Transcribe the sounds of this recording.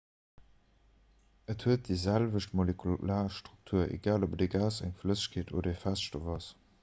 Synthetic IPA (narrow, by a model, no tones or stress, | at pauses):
ətʰhuət̚diːzælvəʃtmolekʰulaːʃtʁuk̚tʰuːɐḛɡaːlobdeɡaːsæ̰ŋfləzə̥ɕkʰeːtʰo̰ːdɐefæsʃtovɑs